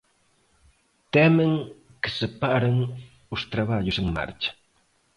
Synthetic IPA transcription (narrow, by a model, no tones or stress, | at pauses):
t̪ɛməŋkə̥səpaʔɾəŋ | ust̪ɾaβaʎusəŋma̰ɾt͡ʃə̥